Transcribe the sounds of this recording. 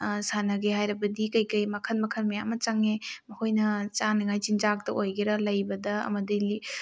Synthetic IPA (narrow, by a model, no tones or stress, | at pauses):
sanɐɡeɦajɾɐbɐdikɐjkɐjmɐkʰɐnmɐkʰɐnmɐjamɐt͡ʃɐŋemɐkʰojnɐt͡ʃanɐŋajt͡ʃind͡ʒak̚tɐʔojɡeɾɐlɐjbɐdɐɐ̰mɐdili